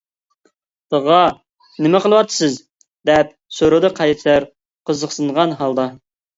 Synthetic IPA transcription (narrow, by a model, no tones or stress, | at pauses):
t̪əʁɑ | nɪmɛqəlˠəwɑt̪ʰːɨ̥sɨz | d̪ɛp̚soɾod̪ɨqʰɑjt̪t̪æɾ | qʰəzəqsɨnʁɑnɦɑlˠd̪ɑ